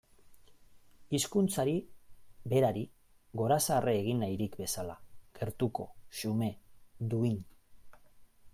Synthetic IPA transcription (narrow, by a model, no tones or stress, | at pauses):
iskunt͡saɾibe̞ɾaɾi | ɣo̞ɾasarʔeːɣinːajɾikbe̞sala̰ɡ̥e̞ɾt̪uko̞sume̞d̪uin